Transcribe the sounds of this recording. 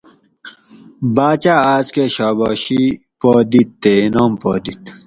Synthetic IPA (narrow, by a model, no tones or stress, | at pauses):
baːt͡ɕaaːzkeɕaːbɔːɕi | poːd̪it̪ːenoːmpo̰ːd̪it̪